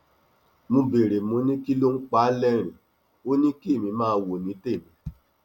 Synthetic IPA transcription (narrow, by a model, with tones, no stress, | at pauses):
mũ˧be˨ɾe˨mũ˨˦nĩ˦ki˦lo˦ŋ̩˦k͡pa˦lɛ˦ɾ̃ĩ˨ | o˦nĩ˦ki˦e˦˨mĩ˧mãː˦˧wo˨nĩ˨˦te˦˨mĩ˨˦